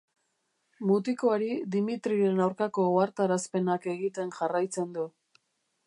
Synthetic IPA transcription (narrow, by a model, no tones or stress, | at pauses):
mut̪iko̞aɾid̪imit̪ɾiɾe̞nawɾkako̞oaɾt̪aɾaspe̞nake̞ɣit̪e̞nʝarajt͡se̞nd̪u